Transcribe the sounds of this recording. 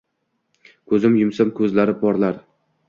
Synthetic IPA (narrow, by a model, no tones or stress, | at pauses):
kʰɵzɪmjʊmsamkʰɵzlaɾɪpʰɒɾlaɾ